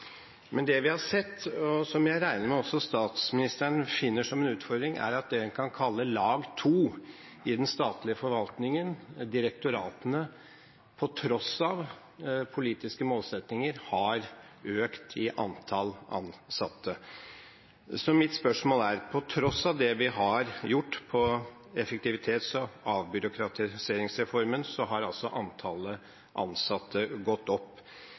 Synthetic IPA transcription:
mʔɛnd̪ɛʋɪhɑʂɛt̪ːɔsɔmjæɪɾæɪnəɾmɛɔsːɔst̪ɑːt̪smɪnɪst̪əɳfɪnːəʂɔmɛnʉːt̪fɔɾd̪ɾɪŋʔæ̰ɾɑt̪̚d̪ɛkʰɑnkʰɑlːəlɑːɡt̪ʰuː | ɪd̪ɛnst̪ɑːt̪lɪəfɔɾʋɑlt̪nɪŋənd̪ɪɾək̚t̪ʊɾɑːt̪ənə | pʰɔt̪ʰɾɔsɑʋ | pʰʊliːt̪ɪskəmoːlsɛt̪nɪŋəɾhɑɾ | øːkt̪ʰɪʔɑnt̪ʰɑlɑ̰nsɑt̪ʰːə | sɔmɪt̪spœʂmoːlæɾpʰɔt̪ʰɾɔsːɑʋd̪ɛʋɪɦɑɾjʊʈːpʰɔ | ɛfək̚t̪ɪʋɪt̪ʰeːt̪sɔɑːʋbʏɾʊkʰɾɑt̪ʰɪseːɾɪŋsɾɛfɔɾmənsɔɦɑɾɑlsɔʔɑnt̪ʰɑlə | ʔɑ̰nsɑt̪ʰːəɡɔt̪ːɔpː

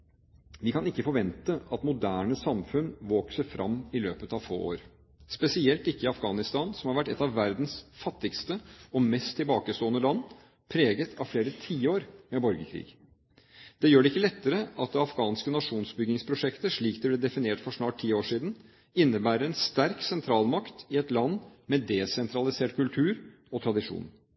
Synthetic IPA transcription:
ʋɪkʰɑnɪkːəfɔɾʋɛnt̪əʔɑt̪mʊd̪æːɳəsɑmfʉnʋoːksəfɾʔɑmːɪløːpət̪ɑʋfo̰ːo̰ːɾ | spɛsɪɛlt̪ɪkːəɪɑfɡɑːnɪst̪ɑːnsɔmhɑɾʋæʈːɛt̪ːɑʋːæɾd̪n̩sfɑt̪ːɪkst̪əɔmɛst̪ʰːɪlbɑːkəst̪oːənəlɑnː | pʰɾeːɡət̪ʰɑʋfleːɾət̪ʰiːoːɾmɛbɔɾɡəkʰɾḭːɡ | d̪̥ɛjøːɖɛɪkːəlɛt̪ːəɾəɑt̪̚d̪ɛɑfɡɑːnskənɑʂuːnsbʏɡɪŋspʰɾʊʂɛkt̪əʂɭiːkd̪ɛblɛd̪ɛfɪneːʈfɔʂnɑːʈ̚t̪ʰːiːoːʂiːd̪n̩ | ɪnːəbæːɾəɾɛnst̪æɾksɛnt̪ʰɾɑːlmɑkt̪ɪɛt̪lɑnːmɛd̪ɛsɛnt̪ʰɾɑlɪseːʈkʰʉlt̪ʰʉːɾ | ɔt̪ʰɾɑd̪ɪʂṵːn

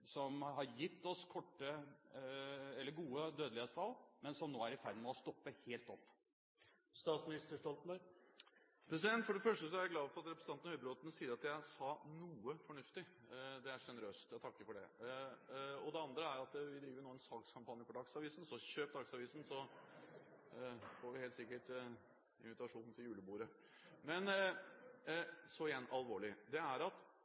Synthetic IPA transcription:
sɔmɦɑɾjɪt̪ːɔskʰɔʈːə | ɛlːəɾɡuːəd̪øːd̪lɪheːt̪st̪ʰɑlːmɛnsɔmnoːæɾɪfæɾd̪ɪmɛɔst̪ɔpːəheːlt̪ɔpː | st̪ɑːt̪smɪnɪst̪əʂʈɔlt̪n̩bɑ | pʰɾɛs̬ɪd̪ɛnt̪fɔɖɛfœʂʈəsɔæɾæɡlɑːʋfɔɾɑt̪ɾɛpɾsɑnn̩hœʏbəɾɔt̪ənsiːdəɾɑt̪jæɪsɑnuːəfɔɳʉft̪ɪd̪ɛæʂɛnəɾøːst̪jæt̪ʰɑkːəfɔɖɛ̰ | ɔd̪ɛɑnd̪ɾəæɾɑt̪ʋɪd̪ɾiːʋənoːɛnsɑːkskʰɑmpʰɑnjəfɔɖ̪ɑksɑʋiːsn̩sɔɕøːp̪̚d̪ɑksɑʋiːsn̩sɔ | fɔɾʋɪheːlt̪sɪkːəʈ | ɪ̰nʋɪt̪ɑʂuːnn̩t̪ʰɪljʉːləbuːɾə | mɛn | sɔɪjɛnːɑlʋoːɭɪd̪ɛæɾɑt̪

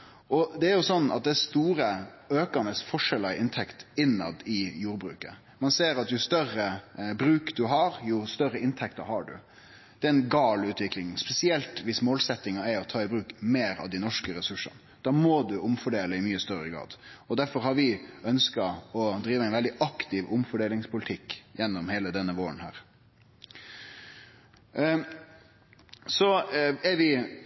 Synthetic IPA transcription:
ɔd̪ɛæɾjʊsɔnːɑ̰t̪̚d̪ɛst̪uːɾə | øːkɑnəsfɔʂɛləɾɪnt̪ʰɛkt̪ɪnːɑ̰d̪ɪjuːɾbɾʉ̰ːkə̰ | mɑnseːɾɑt̪jʊst̪œrəbɾʉːkd̪ʉɦɑɾjʊst̪œɾːəɪnt̪ʰɛkt̪ɑɾhɑɖʉ̰ | d̪̥ɛæɾɛnɡɑːlʉːt̪ʋɪklɪŋspɛsɪɛlt̪ʋɪsmoːlsɛt̪ːɪŋɑæɾɔt̪ʰɑːɪbɾʉːkmeːɾɑ̰ʋd̪ɪnɔʂkəɾɛsʉʂə̰nə | d̪̥ɑːmɔd̪ʉʔʊmfɔɖeːləɪmyːəst̪œɾəɡɾɑ̰ːd̪ɔd̪æɾfɔɾhɑɾʋɪœnskɑɔd̪ɾiːʋəæɛɪnʋɛld̪ɪʔɑkt̪ɪʋʊmfɔɖeːlɪŋspʰʊlt̪ʰɪkːjɛnːɔmheːləd̪ɛnːəʋoːənhæ̰ːɾ | sɔɛɾʋɪ

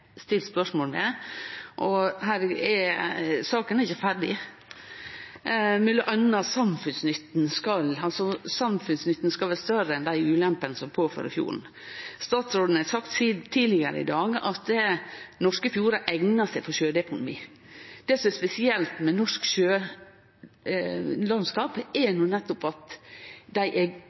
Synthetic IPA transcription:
st̪ɪlt̪spœʂmoːlmɛ | ʔɔhæːɾɛ | sɑːkənæɾɪçəfæɾɖɪ | mɛlːəʔœnːəɑt̪sɑmfʉnsnʏt̪ːn̩skɑlɑlsɔsɑmfʉnsnʏt̪ːnskɑlʋæːɾst̪œɾəɛnd̪æɪʉːlɛmpənəsɔmpʰoːfø̰ɾɪ̰fjṵːɾɳ̩ | st̪ɑːt̪sɾoːd̪n̩hɑsɑkt̪st̪ʰiːlɪɡəɾə̰ɪ̰d̪ɑːɡɑ̰t̪ɛnɔʂkəfjuːɾɑʔɛŋnɑsæɪfɔʃøːd̪əɛkʊnʊmḭː | d̪̥ɛsɔmɛspɛsɪɛlt̪mɛnɔʂkʃøː | lɑnskɑːpɛnuːnɛt̪ːʊpɑt̪d̪æɪʔɛɡ

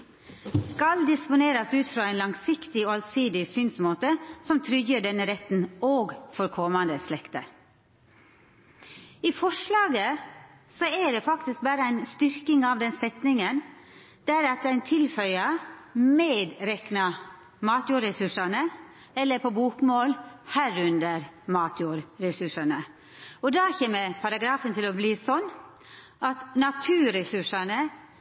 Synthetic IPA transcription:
skɑld̪ɪspʊneːɾɑsʉːt̪fɾɑːæɪnlɑŋsɪkt̪ɪoːɑlsiːd̪ɪsyːnsmoːt̪əsɔmt̪ʰɾʏɡəɖɛnːəɾɛt̪n̩oːɡfɔɾkʰɔmɑnd̪əslɛkt̪ə | iːfɔʂlɑːɡə | sɔæɖɛːfɑkt̪ɪsk̚bæːɾəæɪnst̪ʏɾkɪŋɑʋd̪ɛnsɛt̪nɪŋən | d̪æɾɑt̪æɪnt̪ʰɪlfœʏəmeːd̪ɾɛknɑ | mɑːt̪juːɾɛsʉʂɑnə | ɛlːəɾpʰɔbuːkmoːlhæːɾʉnd̪əɾmɑːt̪ʰjuːɾɾɛsʉʂɑnə | ɔd̪ɑːçɛːməɾpʰɑɾɑɡɾɑːfənt̪ʰɪlɔbliːsɔnː | ʔɑt̪nɑt̪ʰʉːɾɛsʉʂɑnə

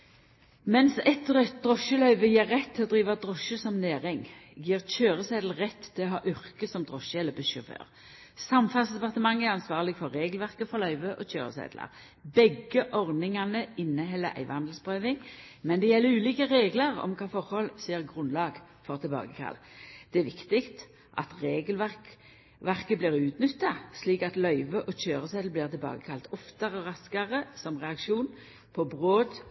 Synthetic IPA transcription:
mɛnsɛt̪ːʁɛt̪̚d̪ʁɔʃəlœʏʋəjeːʁːɛt̪ʰːɪlɔd̪ʁiːʋɑd̪ʁɔʃəsɔmneːʁɪŋjiːʁc͡çøːʁəseːd̪l̩ʁɛt̪ːtʰːɪlɔɦɑːʔʏʁkəsɔmd̪ʁɔʃəɛləbəʃœfø̰ːʁ | sɑmfɑsd̪ɛpɑʁt̪əmɑŋːæʁɑnsʋɑːʁlɪɡfɔʁːeːɡəlʋæʁkəfɔʁlœʏʋəʔoçøːʁə̰sḛːd̪lɑ̰ʁ | bɛɡəʔɔʁd̪nɪŋɑnəɪnːəɦɛlːəɾʔæ̰ɪʋəɑnd̪lspʰʁøːʋɪŋmɛnd̪ɛjɛlːəɾʉːliːkəʁeːɡləʁɔ̰mkʰɑːfɔʁhɔlseːʁɡʁʉnlɑːɡ | fɔʁt̪ʰɪlbɑ̰ːɡəkʰɑ̰ld̪̥ɛæʋɪkt̪ɪkt̪ | ʔɑ̰t̪ʁeːɡəlʋæʁk | ʋæʁkəblɪːʁʉːt̪nʏt̪ːɑsliːkɑt̪lœʏʋəʔɔçøːʁəsɛːd̪l̩bliːʁt̪ʰɪlbɑ̰ːɡəkʰɑlt̪ʰɔft̪ɑʁəɔʁɑskɑʁəsɔmʁɛɑkʃuːn | pʰɔbʁoːd̪

